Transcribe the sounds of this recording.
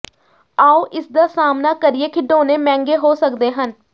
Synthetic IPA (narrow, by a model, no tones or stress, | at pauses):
aːoːʔɪsd̪aːsaːmnaːkəɾɪeːkʰɪɖoːneːmɛ̃ːŋɡeːɦoːsəkd̪eːɦən